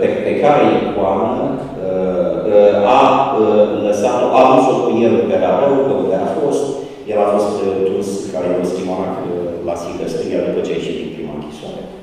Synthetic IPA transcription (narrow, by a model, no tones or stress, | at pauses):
pepekaɾejikuanə | a | ləsat̪oʔavusokujelpeɾaɾeukəund̪eafo̞st̪ | jelafo̞st̪d̪uskaɾejost̪imaat̪lasikəst̪ɨniad̪upət͡ʃeat͡ʃit̪it̪pɾima̰ɨŋkʲi̥soa̰ɾḛ